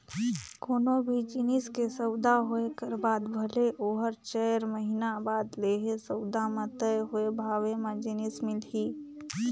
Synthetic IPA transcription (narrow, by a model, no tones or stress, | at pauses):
koːnobʱid͡ʒɪnɪskesəwd̪aɦoekəɾbaːd̪bʱəleʔoːɦəɾt͡ʃɛɾməɦinabaːd̪leːɦesəʊd̪amãt̪əɦʊebʱaːʋemẽd͡ʒɪnɪsmɪlɦiː